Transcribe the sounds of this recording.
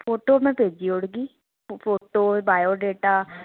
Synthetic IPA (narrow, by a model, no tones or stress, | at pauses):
pʰoːʈoːmɛ̃ːpeːd͡ʒiːʊɽɡiː | pʰoːʈoːbaːjoːɖeːʈaː